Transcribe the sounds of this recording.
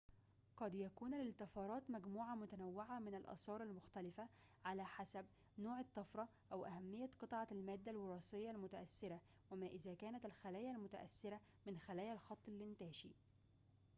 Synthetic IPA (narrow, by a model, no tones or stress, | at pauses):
qɑd̪jækuːnælɪlt̪ɪfɑːɾˤɑːt̪mæɡmuːʕamʊt̪ænæwːɪʕamɪnalʔɑ̰sˤɑːɾˤalmʊxt̪ælɪfæ | ʕalæːħasæb̚ | noːʕɪt̪ˤːɑfɾˤɑ | ʔæwʔæhæmːɪjːæqɨt̪ˤʕɑlmæːd̪ːælwɑɾˤɑːsɪjːɑlmʊt̪æʔæsːɪɾæ | wæmæːʔɪzæːkæːnæt̪ɪlxælæːjælmʊt̪æʔæ̰sːɪɾæ | mɪnxælæːjælxɑt̪ˤːɪlːɪnt̪æːʃḭ